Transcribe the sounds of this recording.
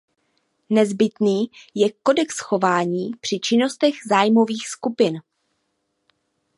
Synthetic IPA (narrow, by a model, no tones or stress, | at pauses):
nɛzbɪt̪niːjɛko̞dɛksxo̞vaːɲiːpr̝̥ɪt͡ʃɪno̞st̪ɛɣzaːjmo̞viːxskupɪn